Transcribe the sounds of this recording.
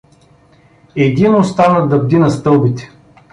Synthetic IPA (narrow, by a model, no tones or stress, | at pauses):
ɛd̪inost̪anəd̪ɐb̚d̪inɐst̪ɤlˠbit̪ɛ̥